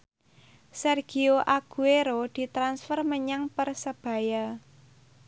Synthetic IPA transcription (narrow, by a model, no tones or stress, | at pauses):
sɛrɡ̥ioʔaɡ̥ueɾod̪̥i̤t̪ɾansfərməɲaŋpərsəb̥a̤ja